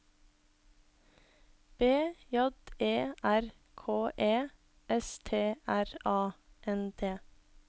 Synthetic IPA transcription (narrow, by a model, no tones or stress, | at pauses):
b̥eːjɔd̪eːʔæɾ | kʰoːʔeː | ɛst̪ʰeːʔæɾɑːʔɛnd̪ʰeː